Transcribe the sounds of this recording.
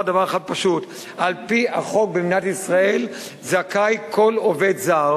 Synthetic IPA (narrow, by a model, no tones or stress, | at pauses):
davaʁaχad̚paʃut | alpiaχo̞k̚bemnatisʁae̞l | zakajkʰo̞love̞dzaʁ